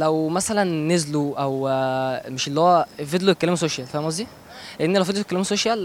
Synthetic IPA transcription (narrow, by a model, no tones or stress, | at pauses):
læwmæsælænːezluʔæw | meʃelːihowæfed̪loekːælæms̬oʃjælfææmziː | lʔenːilæwfed̪lokælːmsoʃjæl